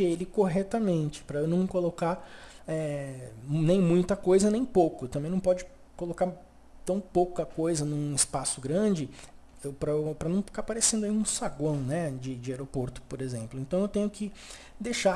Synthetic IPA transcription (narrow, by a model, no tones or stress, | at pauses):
ɪelɪkoɦɛt̪ɐmẽnt͡ʃɪ̥pɾɐewnɐ̃w̃kolokaɾɛ | nẽj̃mũj̃t̪ɐkojzɐnẽj̃powkʊt̪ɐ̃mẽj̃nɐ̃w̃pɔd͡ʒɪ | kolokaɾ | t̪ɐ̃w̃powkɐkojzɐnũɪspasʊɡɾɐ̃d͡ʒɪ | ewpɾɐpɾɐnɐ̃w̃fi̥kaɾpaɾesẽnd̪ʊaiũsaɡõw̃nɛd͡ʒɪd͡ʒɪaɾopoɾt̪ʊ̥poɾezẽmplʊẽnt̪ɐ̃w̃ewt̪ẽɲʊkɪ | d̪ejʃa